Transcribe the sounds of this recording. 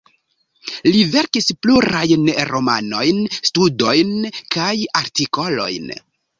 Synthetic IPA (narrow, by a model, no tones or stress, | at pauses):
live̞ɾkispluɾajnɾo̞ma̰no̞jnstudo̞jnkajaɾtiko̞lo̞̰jn